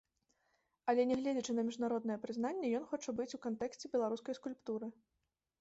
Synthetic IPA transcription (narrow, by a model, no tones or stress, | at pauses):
ɐlʲɛnʲɛɣlʲɛd͡zʲit͡ʂɨnɐmʲiʐnaɾɔd̪nɐjɛpɾɨznanʲːɐjɔn̪xɔt͡ʂɐbɨt͡sʲukant̪ɛksʲt͡sʲɛbʲɛlˠaɾuskɐjskulʲpt̪uɾɨ